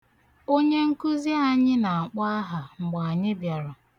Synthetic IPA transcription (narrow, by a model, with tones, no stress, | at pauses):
o˦ɲe˦ŋ̩˦ku˦zi˦a˦ɲɪ˦na˨a˨k͡pa˦a˦ɦa˨ŋ͡m̩˨ɡ͡ba˨a˨ɲɪ˦bja˨ɾʊ˨